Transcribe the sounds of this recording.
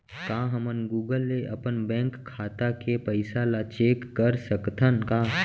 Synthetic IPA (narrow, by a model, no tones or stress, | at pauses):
kãːɦəmənɡuːɡəlːeʔɐpənbɛ̃ːŋkʰːaːt̪akepəɪsalat͡ʃeːkːəɾsəkt̪ʰənkãː